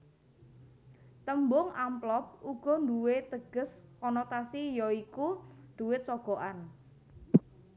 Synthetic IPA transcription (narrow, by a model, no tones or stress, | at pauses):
t̪əmbʊŋamplɔp̚uɡ̥ɔ̤nd̪uwet̪əɡ̥ə̤skɔnɔt̪asijɔikud̪̥uwɪt̪̚sɔɡ̥ɔ̤ʔan